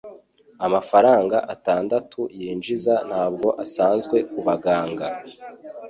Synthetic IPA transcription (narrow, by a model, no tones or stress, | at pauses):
amafaɾaːŋɡaʔataːndatʰujiːnd͡ʒizan̥haːb̚ɡo̞ʔasaːnzɡwe̞kuβaɡaːŋɡa